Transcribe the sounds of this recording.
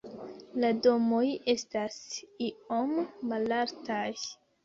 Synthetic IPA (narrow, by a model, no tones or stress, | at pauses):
lado̞mo̞je̞stasiomːalaɾtaj